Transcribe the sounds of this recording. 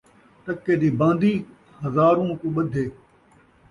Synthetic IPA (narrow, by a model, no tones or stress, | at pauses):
t̪əkːeːd̪iːbãːnd̪iː | həzaːɾũːkũːɓəd̪ʱeː